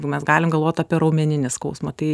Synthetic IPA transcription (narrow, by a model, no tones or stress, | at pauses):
mʲɛsɡɑːlʲɪmɡɐlˠʋoːt̪ʲɑːpʲiɛɾɐʊmʲɛnʲɪnʲɪskɐʊsmɐt̪ɐɪ